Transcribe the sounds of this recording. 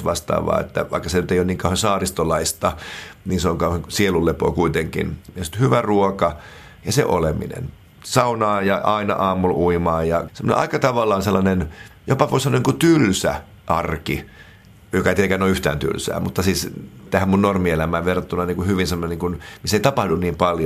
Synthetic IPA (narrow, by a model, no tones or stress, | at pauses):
ʋɑst̪ɑ̰ːʋɑ̰ːḛt̪ːæ̰ʋɑikːɑsenyt̪eijoniːŋkɑuwhensɑːrist̪olɑist̪ɑniːnseoŋkɑuheŋsielulːepo̰ːkuit̪eŋkḭnjɑsi̥t̪hyʋæruokɑ | jɑsḛʔolemḭnḛn | sɑunɑːjɑʔɑinɑ̰ʔɑːmːulʔuimɑːjɑsemːo̰nḛʔɑ̰ikɑt̪ɑʋɑlːɑːnselːɑnenjopɑʋoseɑmːonikut̪ylsæ̰ | ʔɑrki | jokɑt̪iekænoyht̪æ̰ːnt̪y̰lsæ̰ːmut̪ːɑsiːst̪æhæmmunnormielæmæːʋʋerɑt̪ːunɑniːŋkuhyʋinsemːŏneniːŋkunmisːeit̪ɑpɑhdunniːmpɑlj